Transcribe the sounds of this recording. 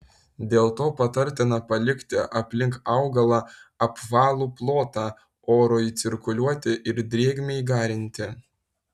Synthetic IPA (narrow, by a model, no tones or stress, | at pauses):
d̪ʲeːlˠt̪oːpɐt̪ɐɾʲt̪ʲɪnɐpɐlʲɪkʲt̪ʲɪʔɐpʲlʲɪŋkɑʊɡɐlˠɑɐpʋɑːlˠuːplˠoːt̪ɑː | oːɾoːjit̪sʲɪɾkʊlʲuɔt̪ʲɪʔɪɾd̪ʲɾʲeːɡʲmʲeiɡɑːɾʲɪnʲt̪ʲɪ